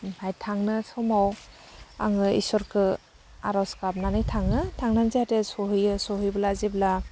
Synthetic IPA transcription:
ajtʰaŋnɯsɔmaw | a̰ŋɯḭsɔɾkʰɯ | a̰ɾɔskap̚nanɯjtʰaŋnɯtʰaŋnanziatesɔɦɯjɯsɔɦɯjbɯlazibla

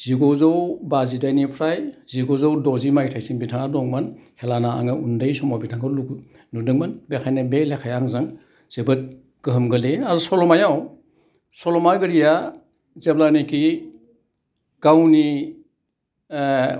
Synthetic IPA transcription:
z̥iɡozawbazidajnipʰɾajziɡozawdɔzimajtʰajsiŋbitʰaŋadɔŋmanhelanaa̰ŋɯundɯjsɔmɔbitʰaŋɔluk | nudɯŋmanbekʰajnabelekʰajaŋzaŋ | z̥ebɯt̚ | ɡ̥ɯɦɯmɡɯleazɔsɔlɔmajaw | sɔlɔmaɡɯɾija | zeplanikʰi | ɡ̥awni

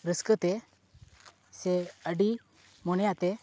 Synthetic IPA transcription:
ɾəskət̪ɛ | sɛəɖi | mɔñjaʔt̪ɛ

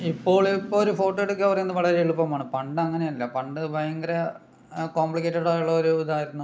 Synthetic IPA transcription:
ipːo̞ːɭipːoɭoɾufo̞ːʈːoeɽukːɐpɐrɐjnːɨʋɐɭɐɾeiɭupːɐmaːɳɨpɐɳɖɨɐŋːɐne̞jɐlːɐpɐɳɖɨbɐjɐŋɡɐɾɐ | koːmpɭikːeːʈːeɽaːjuɭːɐoɾuːd̪aːjiɾunːu

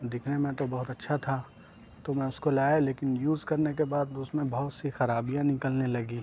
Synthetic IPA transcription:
d̪ɪkʰnemẽt̪obɐɦʊt̪ɐtːʃʰat̪ʰa | t̪omɛ̃ʊskolaːjaleːkɪnjuːzkɐɾnekebaːd̪ʊsmẽbɐɦʊt̪sixɐɾaːbijãnɪkəlnelɐɡi

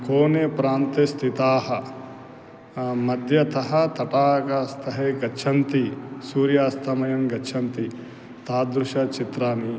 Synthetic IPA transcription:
koːneːpɾaːnt̪est̪ʰit̪aːɦɐ | mɐd̪ʱjɐt̪ɐɦɐt̪ɐʈaːkɐst̪ʰɐɦeːɡɐt͡ʃʰɐnt̪isuːɾjaːst̪ʰɐmɐjɐŋɡɐt͡ʃʰɐnt̪i | t̪aːd̪ɾuʃɐt͡ʃit̪ɾaːni

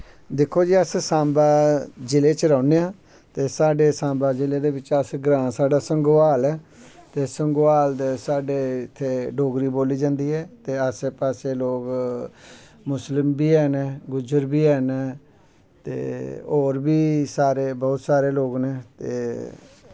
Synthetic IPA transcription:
d̪ɪkʰːoːd͡ʒiːəssãːmbaːd͡ʒɪleːt͡ʃɾəːneːãː | t̪eːsaːɖeːsãːmbaːd͡ʒɪleːd̪eːbɪt͡ʃəsɡɾãːsaːɖaːsəŋɡʋaːlɛːt̪eːsəŋɡaːld̪esaːɖeːɪt̪ʰːeːɖoːɡɾiːboːliːd͡ʒãːnd̪iːɦɛːt̪eːəseːpaːseːloːɡ | mʊslɪmbiːɛːneːɡʊd͡ʒəɾbiːɛːneː | t̪ḛːoːɾbiːsaːɾeːbɔːt̪saːɾeːloːɡneːt̪ḛː

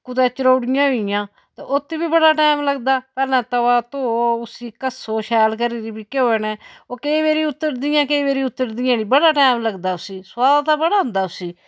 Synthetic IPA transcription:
kʊt̪ɛ̃ːt͡ʃəɾoːɽɪjãːɦoɪjãː | t̪eːʔoːt̪ːiːbiːbəɽaːʈɛːmləɡd̪aːpɛːɾnɛ̃ːt̪əʋaːt̪oːʊsiːkəsoːʃɛːlkəɾiːɾiːbiːkeoːeːnɛ̃ːoːkeːʋeːɾiːʊt̪ːəɾd̪ɪjãːkeːʋeːɾiːʊt̪ːəɾd̪ɪjãːniːbəɽaːʈɛːmləɡd̪aːʊsiːsaːd̪t̪aːbəɽaːɦʊ̃nd̪aːʊsiː

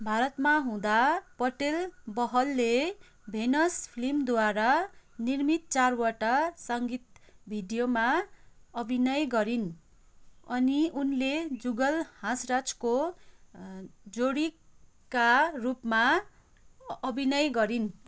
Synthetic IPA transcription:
bʱaɾʌt̪maɦũd̪apʌʈelbʌɦʌlːe | bʱenʌspʰilimd̪waɾanirmit̪̚t͡sarwʌʈasʌŋɡit̪bʱiɖijomaʌbʱinʌjɡʌɾin | ʌniunled͡zuɡʌlhãsrat͡sko | d͡zoɽi | karupma | ʌbʱinʌjɡʌɾin

